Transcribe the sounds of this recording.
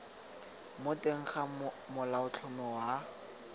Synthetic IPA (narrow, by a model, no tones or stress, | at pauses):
mʊtʼeŋ̩χa | mʊlaʊt͡ɬʰʊmɪwa